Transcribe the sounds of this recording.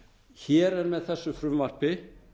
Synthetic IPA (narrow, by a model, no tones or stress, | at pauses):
çɛːɾɛɾmɛðθɛsːʏfɾʏmvar̥pɪ